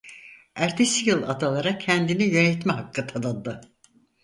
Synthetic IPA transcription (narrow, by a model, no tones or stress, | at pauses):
æɾt̪ʰesijɯlˠad̪alˠaɾacʰænd̪inijø̞nɛt̪mɛɦakʰːat̪ʰad̪and̪ɯ